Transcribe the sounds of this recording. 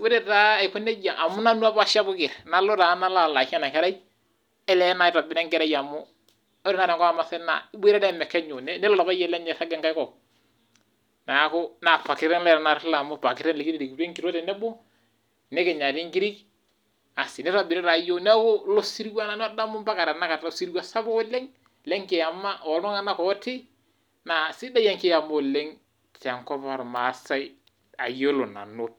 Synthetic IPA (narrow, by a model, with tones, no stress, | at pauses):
we˦ɾe˨ta˦˨ɪ˨kɔ˦ne˦d͡ʒa˨ʔa˨mːʊ˦na˦nu˦a˦ba˦ʃa˦bʊ˦kɪ˨ɾna˨˦lo˦ɾa˨˦na˦la˨la˨ka˦na˨kɛ˦ɾa˦j | ɛ˦lɛ˦na˨ɪ˦ɾa˨bɪ˨nɛ˦ŋɡɛ˦ɾa˦ja˨mʊ˦ | ɔ˦ɾɪ˦na˦ɾɛ˨ŋkɔ˦a˦ma˨sɛ˦na̰˨˦be˦ɾa˦dɛ˦˨mɛ˨kːɛ˦ɲo˨nɛ˦nɛ˦lɔ˦la˨βa˦jɛ˦lɛ˦ɲɛ˨sa˦ɡɛ˨ŋɡa˦jkɔ˨ | na˨a˨˦kʊ˦na˨pa˨kɪ˦ɾɛ˦nlɛ˦˨ɾɛ˨na˨ɾla˨mʊ˦pa˨kɪ˦ɾɛ˦nle˨ki˦ɾe˨ɾi˨ki˨e˦ŋɡi˨ɾo˦tɛ˨nɛ˦bʊ˦ | ne˦kɪ˨ɲa˨tɪ˦ŋɡi˦ɾi˦k | a˨sɪ˨nɛ˦ɾa˨bɪ˨ɾɛ˦ɾa˨jo˦nɛ˦ko˦lo˦si˦ɾwa˦na˨n˦ɔ˦da˦mʊ˦mba˦ka˨ɾa˨na˦ka˨tsi˦ɾi˦wa˦sa˦bo˦o˦le˦ŋ | le˦ŋkɪ˨ja˨mːa˦ʔɔ˨lɔ˦ŋa˦na˦kɔ˨˦tɪ˦ | na˨sɪ˦da˦ja˦ŋkɪ˦ja˨mo˦˨le˦ŋ | ta˨ŋkɔ˦pa˨ɾma˨˦sa˦ɪ | a̰˨jo˦lo˨na̰˨no˦t̚